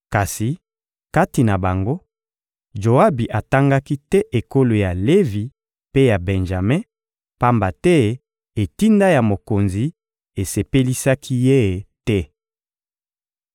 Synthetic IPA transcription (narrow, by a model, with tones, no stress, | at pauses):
ka˨si˨ | ka˦ti˨na˨ba˨ŋɡo˦ | ʒo˨a˦bi˨ʔa˨ta˦ŋɡa˦ki˦tɛ˦ʔe˨ko˦lo˨ja˨le˦vi˨ | pe˦ja˨bɛ˨nʒa˨mɛ̃˦ | pa˦mba˨tɛ˦˨ | e˨ti˦nda˦ja˨mo˨ko˨nzi˨ | e˨se˨pe˦li˦sa˦kʰi˦je˦˨tɛ˦